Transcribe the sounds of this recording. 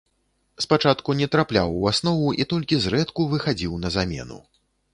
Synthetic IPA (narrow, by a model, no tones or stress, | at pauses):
spat͡ʂat̪kunʲɛt̪ɾaplʲa̰wuasnɔvuʔit̪ɔlʲkʲizrɛt̪kuvɨxad͡zʲiwnɐzamʲɛ̰nṵ